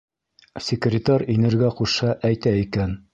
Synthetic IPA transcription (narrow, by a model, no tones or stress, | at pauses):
sʲɪkrʲɪt̪aɾʲinɘ̆ɾɡæquʃɑʔæjt̪æikæn